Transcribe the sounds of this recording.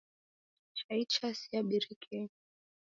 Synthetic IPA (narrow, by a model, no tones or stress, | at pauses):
t͡ʃait͡ʃasiaɓiɾikʰɛ